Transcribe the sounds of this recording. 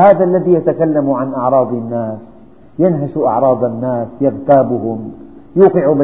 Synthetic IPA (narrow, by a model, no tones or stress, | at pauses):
haːðaʔlːaðijat̪akalːamuʕanʔɑʕɾˤɑːd̪ˤɪnːaːs | janɦaʃʔɑ̰ʕɾˤɑːd̪ˤɑnːaːsjɪɣt̪aːbʊhʊm | juːqɪʕub